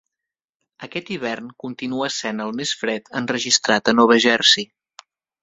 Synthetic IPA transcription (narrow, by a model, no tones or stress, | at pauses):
əkɛt̪iβɛrnkunt̪inuəsenəlˠmesfɾɛt̪ənrəʒist̪ɾat̪ənɔβəʒɛrsi